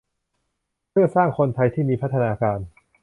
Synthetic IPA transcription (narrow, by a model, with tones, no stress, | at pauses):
pʰɯ˥˩ɐsaː˥˩ŋkʰo˧nt̪ʰa˧jt̪ʰiː˥˩miː˧pʰa˦˥t̪ʰːa˧naː˧kaː˧n